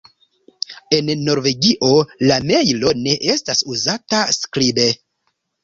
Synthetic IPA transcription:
e̞nːo̞ɾve̞ɡiʔo̞lame̞jlo̞ne̞ʔestasuzataskɾibe

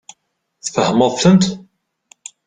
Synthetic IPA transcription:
θfəhəməðˤθənt̪

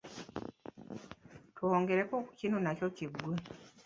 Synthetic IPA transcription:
twoːŋɡe̞ɾekokucino̞nacociɡwe

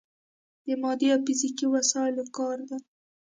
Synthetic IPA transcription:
d̪əmɑd̪iafɪzikiwasɑɪlokɑɾd̪a

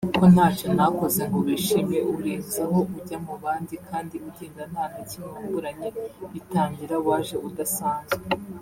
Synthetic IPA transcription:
ko̞nhaːt͡ʃo̞nako̞ze̞ŋɡoβiʃimje̞ʔuɾiːnzaho̞uɟamuβaːndikʰaːndiuɟeːnzan̥haːnicimuvuɾaɲeitaːɲɟiɾawaːʒe̞ʔudasaːɲze

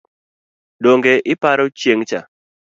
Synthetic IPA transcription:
doŋɡeʔɪpaɾɔt͡ʃjeŋt͡ʃa̰

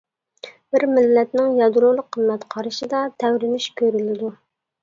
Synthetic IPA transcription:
b̥ɪɾmɪlːɛt̪nɪŋjɑd̪uɾolˠəqʰːəmːɛt̪qʰɑɾɨʃɪd̪ɑt̪ʰɛwɾɪnɪʃkʲʰøɾylɪd̪u

